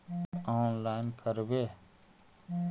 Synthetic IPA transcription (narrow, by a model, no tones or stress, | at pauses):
ɔːnlaːɪnkʰəɾweː